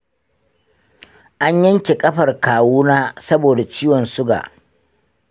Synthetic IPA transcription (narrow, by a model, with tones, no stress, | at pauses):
ʔa˦ɲjɐ˦ŋkʲe˨kʼɐ˦ɸɐ˨rkaː˨wuː˦naː˦sɐ˦boː˨da˨t͡ʃiː˦wɔ˨nsʊ˦ɡa̰ː˨ʔ